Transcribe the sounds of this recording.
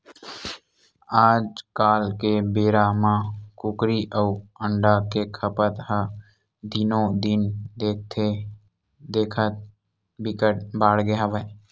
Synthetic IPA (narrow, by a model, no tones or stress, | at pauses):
aːd͡ʒkaːlkebeːɾamãkʊkɾiʔəuəɳɖakekʰəpət̪ɦə | d̪ɪnõd̪ɪnd̪eːk̚t̪ʰe | d̪eːkʰət̪̚ | bɪkəʈbaːɽɡeaʋə